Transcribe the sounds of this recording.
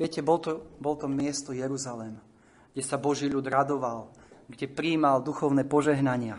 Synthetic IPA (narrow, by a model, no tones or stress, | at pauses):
ʋɪɛcɛbɔlt̪ɔbɔlt̪ɔmɪɛst̪ɔjɛɾuzalɛm | ɡɟɛsabɔʒiːʎud̪ɾad̪ɔʋal | ɡɟɛpɾiːmald̪uxɔʊnɛpɔʒɛɦnaɲɪa